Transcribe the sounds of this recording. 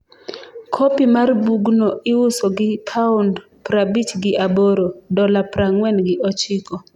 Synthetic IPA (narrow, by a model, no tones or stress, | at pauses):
kʰopimarbuɡnɔɪwʊsoɡɪpʰaʊnd | pɾabit͡ʃɡɪʔaboɾodɔlapɾaŋwɛnɡɪʔɔt͡ʃɪkɔ